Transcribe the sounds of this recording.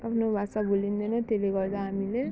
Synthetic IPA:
apʰnobʱasabʱulind̪ʌnʌt̪eleɡʌɾt͡sʰʌɦamile

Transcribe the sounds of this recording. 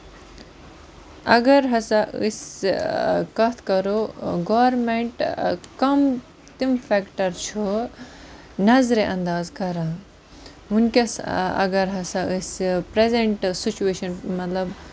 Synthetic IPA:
ɐɡɐɾɦɐsaɨ̰s | kɐt̪ʰkɐɾoɡoʋɾmeɳʈkɐm | t̪imfʰekʈɐɾt͡ʃʰu | nɐzɾeʔɐ̃nd̪aːzkɐɾãː | unkesɐ̰ɡɐɾɦɐsaɨspɾezeɳʈsit͡ʃueːʃɐnmɐt̪lɐb

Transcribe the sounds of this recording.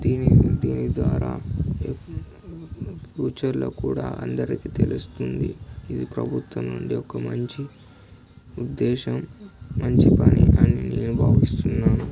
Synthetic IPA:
d̪iːnid̪iːnid̪ʋaːɾaː | pʰjuːt͡ʃɐɾlo̰ːkuːɽaːʔɐnd̪ɐɾikiːt̪e̞lust̪und̪iid̪ipɾɐbʱut̪wɐnuɳɖiɔkɐmɐɲt͡ʃi | ud̪ːɛːʃɐmːɐɲt͡ʃipɐniʔɐnineːnubʱaːʋist̪unːaːnu

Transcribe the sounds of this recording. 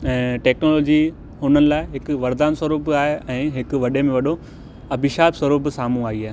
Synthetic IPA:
ɛ̃ːʈɛːknoːloːd͡ʑi | ɦʊnənɪ̆laːɪɦɪkʊʋɐɾd̪aːnsɐɾuːpaːɦeɛ̃ːɦɪkʋɐɗemẽʋɐɗo | ɐbɪʃaːbswɐɾuːpɪsaːm̤ũaːiaːɦe

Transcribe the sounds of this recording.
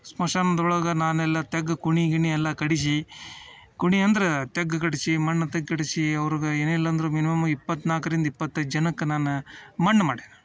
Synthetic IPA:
smɐʂaːnɐnd̪ɔɭɐɡɐnaːnɛlːɐt̪ɛɡːɐkuɳiɡiɳiɛlːɐkɐɽis̬i | kuɳiɐnd̪ɐɾet̪ɛɡːɐkɐɽisimɐɳːɐt̪ɐɡkɐɽisiɐʋɐɾɡɐeːnilːɐnd̪ɐɾuminimɐmɐipːɐt̪ːnaːkɐɾind̪ɐipːɐt̪ːɐd͡ʒɐnɐkːɐnaːnumɐɳːɐmaːɽiɐ

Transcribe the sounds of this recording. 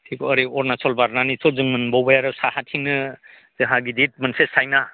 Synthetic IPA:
tʰikɔɔɾiɔɾnasʰɔlbaɾnanisʰɔzɯŋmɯnbɔwbajaɾɯwsahatʰiŋnɯ | zɯɦaɡidit̚mɯnsesajna

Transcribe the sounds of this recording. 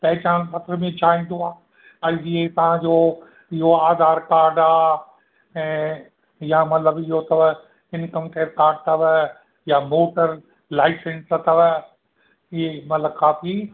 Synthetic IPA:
pɐɦɪt͡ɕaːnpɐt̪ɾəmẽt͡ɕʰaːɦĩːn̆d̪oaː | aːd͡ʑiet̪ɐʋ̤ãd͡ʑoː | ɪɦoaːd̪aːɾkaːɾɖaː | ɛ̃ː | jamɐt̪ləbɪɦot̪ɐʋ | ɪnkɐmt̪eːɾkaːɾɖ̚t̪ɐʋ | jaːmoːʈəɾ | laːɪsə̃nsɐt̪ɐʋ | ɪɦemɐt̪ləbkaːfi

